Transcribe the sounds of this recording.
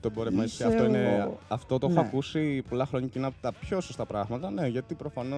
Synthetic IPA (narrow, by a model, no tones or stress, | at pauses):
t̪oboɾemɐiseɐft̪oineɐft̪o̞t̪oexoɐkusipo̞lɐxɾo̞ɲɐceinɐpot̪ɐpço̞sost̪ɐpɾɐɣmɐt̪ɐne̞ʝɐt̪ipɾo̞fɐno